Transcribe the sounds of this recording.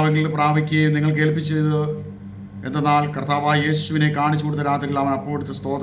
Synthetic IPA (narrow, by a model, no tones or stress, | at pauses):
ʋɐŋɡilpraːbʱikʲːuɣɐjumniŋːɐɭk̬e̞ːlpit͡ɕːejðɨ | e̞nd̪enːaːlkɐrt̪ʰaːʋaːjje̞ːɕuʋine̞kaːɳit͡ɕːukoːɽut̪ːɐɾaːt̪ːɐɣilɐʋɐnɐpːoːeɽut̪ːɐst̪o̞ːd̪